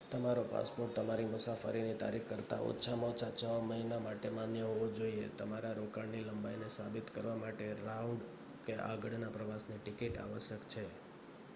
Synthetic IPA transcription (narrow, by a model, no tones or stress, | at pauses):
t̪əmaɾopa̰spoʈ̚t̪əmaɾimʊsafə̰ɾinit̪a̰ɾikkəɾt̪a̰ʔo̰tːʃʰamõt͡ʃat͡ʃaʋaməɦinamaʈemãnjəɦoʋod͡ʒoiḛt̪əmaɾaɾokaɳniləmbainesabit̪kəɾʋamaʈeɾauɳɖ | keʔa̰ɡəɽnapɾəʋasniʈikiʈa̰ʋəʃjəkt͡ʃʰe